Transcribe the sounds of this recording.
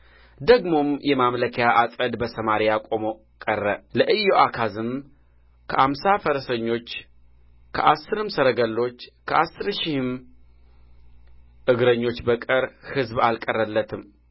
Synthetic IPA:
d̪əɡmo̞mjɛmamləkʰjaʔasʼəd̪bəsəmaɾijakʼo̞mo | kʼərːələʔɨjoʔakʰazɨm | kʰəʔamsafəɾsəɲːo̞t͡ʃː | kʰə̰ʔasːɨɾɨmsəɾəɡəlːo̞t͡ʃːkʰəʔasːɨɾʃihɨm | ʔɨɡɾəɲːo̞t͡ʃːbəkʼɨɾhɨzbalkʼərəlːət̪ʰɨm

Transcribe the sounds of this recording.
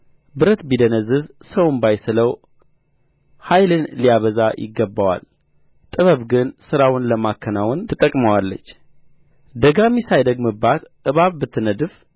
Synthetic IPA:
bɨɾət̪bid̪ənəzːɨz | səwnbajsɨləw | hajlɨnlijaβəzajɪ̰ɡːəbːawa̰l | t̪ʼɨβəβɡɨnsɨɾawʊnləmakʰːənawʊnt̪ʰɨt̪ʼəkʼməwalːə̰t͡ʃː | d̪əɡamisajd̪əɡmɨbːat̪ | ɨβaβbɨt̪ʰːɨnəd̪ɨf

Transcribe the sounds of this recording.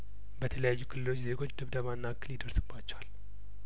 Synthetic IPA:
bət̪ʰələjajːukʰɨlɨlo̞t͡ʃːze̞ɡo̞t͡ʃːd̪ɨβd̪əβanːakːɨljɪd̪əɾsɨbːat͡ʃːɛwal

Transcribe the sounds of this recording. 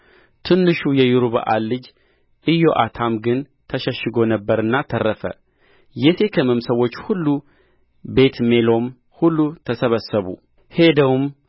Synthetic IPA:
t̪ʰɨnːɨʃujɛjuɾuβə̰ʔalːɨd͡ʒ | ʔɨjːo̞ʔat̪ʰamɡɨn | t̪ʰəʃəʃːɨɡonəbːəɾɨnːat̪ʰərːəfə̰ | jɛse̞kʰəmɨmsəwo̞t͡ʃːhulːu | be̞t̪me̞lo̞m | hulːut̪ʰəsəβəsːəβṵ | he̞d̪əwum

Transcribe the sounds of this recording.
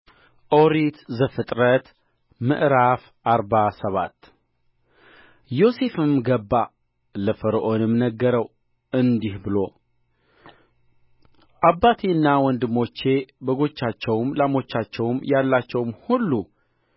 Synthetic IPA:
ʔoɾit̪zɨfɨt̪ʼɾət̪ | mɨ̰ʔɾaf | ʔaɾbasəβa̰t̪ː | jo̞se̞fɨmɡəbːa | ləfəɾʔo̞nɨmnəɡːəɾəw | ɨnd̪ihbɨlo̞ | ʔabːat̪ʰeɨnːawɔnd̪ɨmo̞t͡ʃːe̞bəɡo̞t͡ʃːat͡ʃːɛwmlamo̞t͡ʃːat͡ʃːɛwmjalːat͡ʃːɛwmhulːu

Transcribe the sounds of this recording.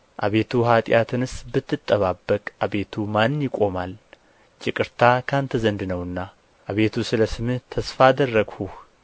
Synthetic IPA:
ʔa̰βe̞t̪ʰuɦat̪ʼɪjat̪ʰɨnɨsbɨt̪ʰːɨt̪ʼːəβabːəkʼʔaβe̞t̪ʰumanːjɪkʼo̞mal | t͡ʃʼɪkʼɨɾt̪ʰakʰant̪ʰəzənd̪nəwɨnːa | ʔaβe̞t̪ʰusɨləsɨmɨht̪ʰəsfad̪ərːəɡhuh

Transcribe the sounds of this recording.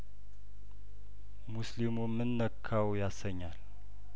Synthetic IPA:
muslimumːɨnːəkʰːawjasəɲːal

